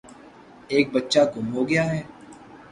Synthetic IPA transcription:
eːk̚bɐtːʃaɡʊmɦoːɡɪjaɦɛː

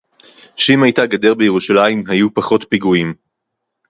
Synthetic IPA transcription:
ʃimajtaɡade̞ʁbejeʁuʃalaimɦajupaχo̞tpiɡuim

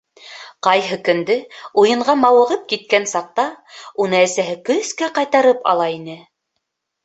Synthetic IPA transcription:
qɑjɦɤkɵ̆nd̪ɘujɤ̆ɴʁɑmɑwɤ̆ʁɤp̚kit̪̚kænsɑq̚t̪ɑunɤæsæɦɘkɵ̆θkæqɑjt̪ɑɾɤpɑ̰lˠɑinɘ

